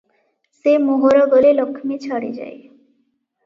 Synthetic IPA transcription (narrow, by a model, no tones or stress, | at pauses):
semoɦoɾɔɡɔlelɔkʰːmet͡ɕʰaɽḛd͡ʑa̰e